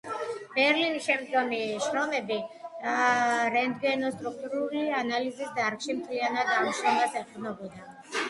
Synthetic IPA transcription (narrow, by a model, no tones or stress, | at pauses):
b̥ɛɾlinisʃɛmd̪ɡɔmiʃɾɔmɛbi | ɾɛnd̪ɡɛnɔst̪ʼɾuk̚ʰt̪ʼuɾulianalizisd̪aɾkʃimt̪ʰlianad̪ɡamʃɾɔmasɛqʼɛnɔbɔd̪a